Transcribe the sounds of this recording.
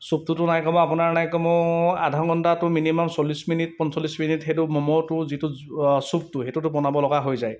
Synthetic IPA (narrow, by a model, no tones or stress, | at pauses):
sup̚tutʊnajkɔmɔ̃apʊnaɹnajkɔmɔadʱɔŋkɔndatʊminimɔmsɔlːisminit̚pɔnsɔlːisminitɦetumɔmɔtʊzitusup̚tuɦetutʊpɔnabɔlɔɡaɦojzaj